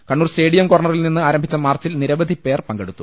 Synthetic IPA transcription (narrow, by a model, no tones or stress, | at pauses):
kɐɳːuːrsteːɽijɐmkoːrɳɐrilninːɨaːɾɐmbʱit͡ɕːɐmaːrt͡ɕilniɾɐʋɐd̪ʱipe̞ːrpɐŋɡeɽut̪ːu